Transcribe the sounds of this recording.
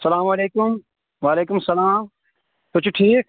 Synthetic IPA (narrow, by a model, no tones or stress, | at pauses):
sɐlaːmɐleːkʊm | ʋaːleːkʊmsɐlaːm | kʊt͡ʃʰʈʰiːk̚